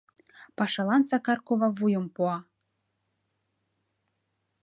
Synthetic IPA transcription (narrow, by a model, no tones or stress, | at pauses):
pɑʃɑlˠɑnsɑkɑrkovɑvujə̆mpuɑ